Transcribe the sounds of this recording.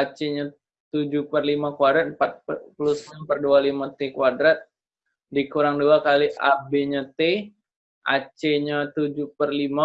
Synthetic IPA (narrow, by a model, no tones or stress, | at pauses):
at͡ʃeɲa | t̪ud͡ʒupərlimakuadɾat̪̚mpat̪̚pulusmampərdualimat̪ekuadɾat̪̚ | dikuɾaŋduakaliʔabeɲat̪e | ʔat͡ʃeɲat̪ud͡ʒupərlima